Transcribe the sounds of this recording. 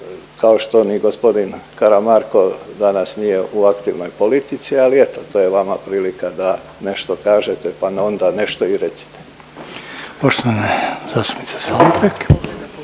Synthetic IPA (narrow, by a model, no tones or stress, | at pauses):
kaoʃt̪o̞niɡospo̞d̪inkaɾamaɾko̞d̪anasnijeʔuakt̪iʋno̞jpo̞lit̪it̪sialiet̪ot̪oːjeʋamapɾiːlikad̪a | ne̞ʃt̪okaːʒet̪ɛpaneond̪ane̞ʃt̪o̞iɾet̪si̥t̪e̥ | poʃt̪oʋanezaːst̪u̥pnit̪se̥saːlot̪ɾek